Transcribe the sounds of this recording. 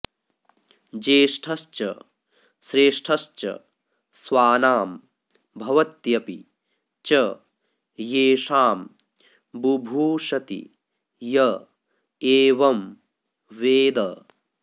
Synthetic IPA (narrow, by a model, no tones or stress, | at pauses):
d͡ʒeːʂʈʰɐst͡ʃɐ̰ | sɾeːʂʈʰɐst͡ʃɐ̰ | swaːnaːm | bʱɐʋɐt̪jɐpḭ | t͡ʃɐ | jeːʂaːm | bubʱuːʃɐt̪ḭ | jɐ | eːʋɐm | ʋeːd̪ɐ